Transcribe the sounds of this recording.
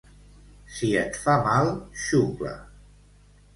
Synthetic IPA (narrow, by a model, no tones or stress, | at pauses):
siət̪famalˠʃuβə̰